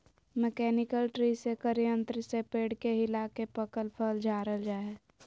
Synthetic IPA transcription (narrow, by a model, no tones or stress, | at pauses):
mɛkɛːnɪkəlʈɾisekəɾijə̃nt̪ɾəsepeːɽkeɦɪlakepəkəlpʰəld͡ʒʱaːɾəld͡ʒaːɛː